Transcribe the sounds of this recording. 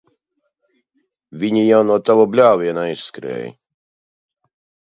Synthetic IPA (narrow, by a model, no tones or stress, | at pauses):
viɲʲijanɔt̪awɔblʲawjɛnajskɾɛ̰j